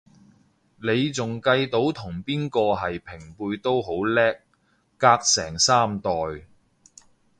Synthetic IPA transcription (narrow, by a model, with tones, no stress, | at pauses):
ne˨˧jt͡sʊ˨ŋkɐ˧jt̪o˨˥wt̪ʰʊ˨˩ŋpiː˥nkɔː˧ɦɐ˨jpʰɪ˨˩ŋpuː˧jt̪o˥wɦo˨˥wlɛː˥k̚ː | aː˧k̚sɛː˨˩ŋsaː˥mt̪ɔː˨˩j